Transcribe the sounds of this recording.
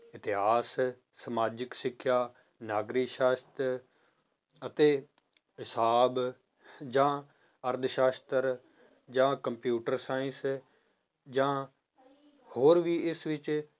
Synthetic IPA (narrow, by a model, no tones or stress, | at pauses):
ɪt̪ɪɦaːs | səmaːd͡ʒɪksɪkʰːjaː | naːɡɾiːʃaːst̪ɾ | ət̪eː | ɦɪsaːb | d͡ʒãː | əɾd̪ʱʃaːst̪əɾ | d͡ʒãːkəmpjuːʈəɾsaːɪ̃ns | d͡ʒãː | hoːɾʋiːɪsʋɪt͡ʃ